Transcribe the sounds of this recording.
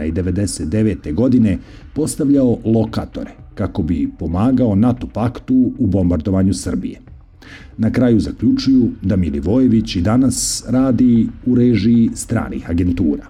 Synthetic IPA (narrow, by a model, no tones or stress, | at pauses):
aid̪e̞ʋe̞d̪e̞set̪̚d̪e̞ʋe̞ːt̪e̞ɡo̞d̪ine̞ | po̞st̪aʋʎao̞lˠo̞kaːt̪o̞̰ɾekako̞bipo̞maːɡao̞nat̪opakt̪uːbo̞mbaɾd̪o̞ʋaɲusr̩bḭje̞ | nakɾajuzakʎut͡ʃujud̪amiliʋo̞je̞ʋit͡ɕid̪anasɾaːd̪iuɾeʒiːst̪ɾa̰ːnḭxaɡe̞nt̪uːɾa̰ː